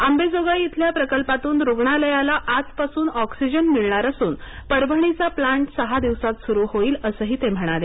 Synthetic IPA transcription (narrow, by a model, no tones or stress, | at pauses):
ambed͡zoɡait̪ʰljapɾəkəlpat̪uːnɾoɡɳaləjalaʔad͡zpasuːnɔksid͡ʑənmiɭɳaɾasuːnpəɾbʱəɳ̃it͡saplaɳʈsəɦad̪iʋsat̪suɾuːɦoiːləsəːɦiːt̪em̤əɽ̃ale